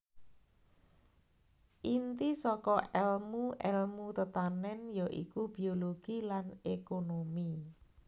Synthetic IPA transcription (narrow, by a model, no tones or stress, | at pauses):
ʔint̪isɔkɔʔɛlmuʔɛlmut̪ət̪anɛnjaʔḭkubioloɡ̥ilanekonomi